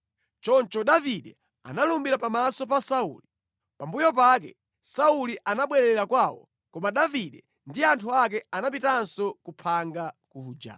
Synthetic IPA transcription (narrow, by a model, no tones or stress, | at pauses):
t͡ʃɔnt͡ʃɔɗaviɗɛ | a̰nalumbiɾapamasɔpasaṵːli | pambujɔp̬ak̬ɛ̰ | sauliʔanaɓwɛɾɛɛɾakwawɔ̰ | kɔmaɗaviɗɛ | ndiantʰuak̬ɛanap̬itansɔkupʰaŋɡakuːd͡ʒa̰